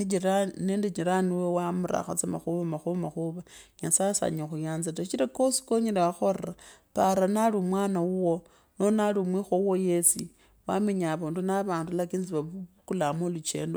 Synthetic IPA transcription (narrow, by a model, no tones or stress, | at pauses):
ianendet͡ʃiɾaniwewamuɾa̰xa̰t͡semaxuβamaxuβamaxuβaɲasasa̰ɲexujaːnzatait͡ʃiɾakosi̥koɲelewaxora | paɾanalimwanawuwo̞ | nonalimwixouwo̞jesi | wameɲaβondunaβaːndulakinziβakulamolut͡ʃe̞̰ːndo